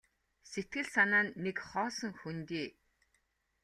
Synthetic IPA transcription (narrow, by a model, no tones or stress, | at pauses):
set̪̚ɡɘ̆ɮsanaːnːekχɔːsə̆ŋxunt̪iː